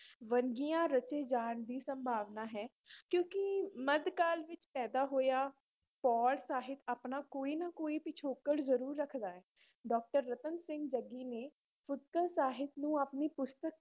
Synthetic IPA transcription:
ʋənɡijãːɾət͡ʃeːd͡ʒaːnd̪iːsəmbʱaːʋnaːɦɛː | kjõːkɪməd̪kaːlʋɪt͡ʃpɛːd̪aːɦoːjaː | pɔːlsaːɦɪt̪aːpnaːkoːiːnakoːiːpɪt͡ʃʰoːkəɽzəɾuːɾːəkʰd̪aːɦɛː | ɖɔːk̚ʈəɾːət̪ənsɪ̃ŋɡd͡ʒəɡiːneː | pʰʊt̪̚kəlsaːɦɪt̪nũːaːpniːpʊst̪ək̚

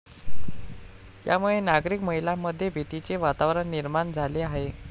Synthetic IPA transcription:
jamuɭenaɡɾiːkməɦilamːəd̪ʱːjebʱit̪it͡seʋat̪aʋɾəɳːiɾmaɳd͡zʱaleaɦe

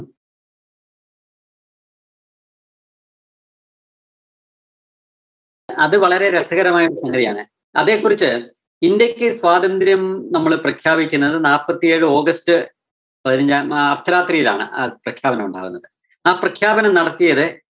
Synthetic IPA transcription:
ɐðɨʋɐɭɐɾe̞ɾesɐɣɐɾɐmaːjɐuɐsɐŋɡɐðijaːɳɨ | ɐ̰ðe̞ːkːurit͡ɕːɨ | indjɐkʲːɨswaːd̪ɐnd̪ɾjɐmnɐmːɐɭprɐkʰjaːbikʲːunːɐðɨnaːpːɐt̪ːije̞ːɻɨo̞ːɡɐstɨ | pɐðiɾɐɲd͡ʑamɐrt̪ʰːɐɾaːt̪rijila̰ːɳɨ̰ʔa̰ːprɐkʰjaːbɐnɐmuɳɖa̰ːɣun̪ːɐðɨ | aːprɐkʰjaːbɐnɐmnɐɽɐt̪ːijɐðɨ

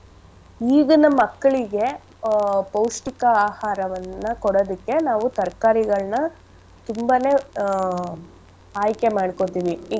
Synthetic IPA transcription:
iːɡɐnɐmːɐkːɐɭiɡe̞ | pɐwʂʈikɐaːhaːɾɐʋɐnːɐkɔɽoːd̪ikːe̞naːʋut̪ɐɾkaːɾiɡɐɭnɐ | t̪umbane̞ː | aːjkemaːɽkot̪iːʋi

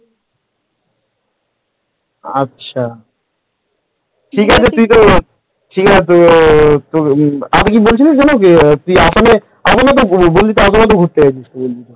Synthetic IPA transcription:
a̰tːɕʰa | ʈʰikɦat͡ɕʰet̪ujt̪o | ʈʰikat͡ɕʰet̪ot̪oa̰t̪ok̬ibolt͡ɕʰiled͡ʑɔnoket̪ujasane | asonat̪obolːit̪oas̬onat̪̬oɡʱoɾt̪ːet͡ɕad͡ʑist̪obold̪it̪o

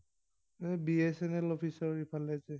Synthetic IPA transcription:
nɛbiesɛnɛlɔpʰisɔɹipʰalɛsɛ

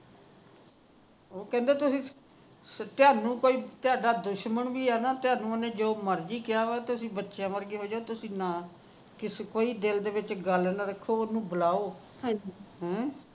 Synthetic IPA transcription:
oːkɛ̃ːnd̪eːt̪ʊsĩː | t̪ɪjaːnũːkoːiːt̪ɪjaːɖaːd̪ʊʃməɳʋiːaːnaːt̪ɪjaːnũːənẽːd͡ʒoːməɾd͡ʒiːkɪjaːʋaːt̪ʊsĩːbətːʃjãːməɾɡeːɦoːd͡ʒaːoːt̪ʊsĩːnaː | kɪskoːiːd̪ɪld̪eːʋɪt͡ʃɡəlnəɾəkʰːoːʊnũːbəlaːoː | ɦãd͡ʒiɦɛ̃ː

